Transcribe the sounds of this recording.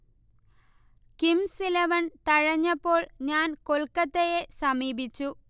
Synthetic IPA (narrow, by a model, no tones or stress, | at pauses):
kimsilɐʋɐnt̪ɐɻɐɲːɐpːo̞ːɭɲaːnkolkɐt̪ːejesɐmiːbit͡ɕːu